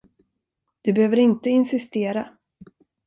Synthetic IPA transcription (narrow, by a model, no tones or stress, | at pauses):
d̪̥ɵbɛhøːvəɾɪnt̪əɪnsɪst̪eːɾa